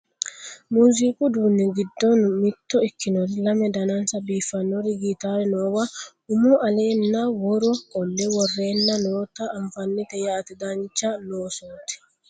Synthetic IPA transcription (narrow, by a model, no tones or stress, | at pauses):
muːzikʼʊd̪uːnːɛɡɪd̪ːɔnʊmɪt̪ːɔɪkːɪnɔɾlɐmɛd̪ɐnɐnsɐbiːfːɐnːɔɾɪɡit̪aːɾɛnoːwɐ | ʊmɔʔɐleːnːawɔɾɔkʼɔnːɛwɔrːe̞ːnːɐnoːt̪ɐːɱfɐnːɪt̪ɛjaːt̪ɪd̪ɐnt͡ʃːɐnoːsɔt̪ɪ̥